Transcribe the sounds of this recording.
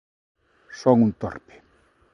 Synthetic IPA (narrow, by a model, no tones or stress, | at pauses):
sɔŋunt̪ɔ̰rpe̥